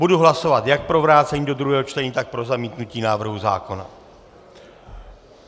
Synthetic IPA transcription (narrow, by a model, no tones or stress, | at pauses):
buduɦlaso̞vat̪jak̚pɾovɾaːt͡sɛɲiːdod̪ɾuɦɛːɦot͡ʃt̪ɛɲiːt̪ak̚pɾo̞zamiːt̪nuciːnaːvr̩ɦuza̰ːko̞na̰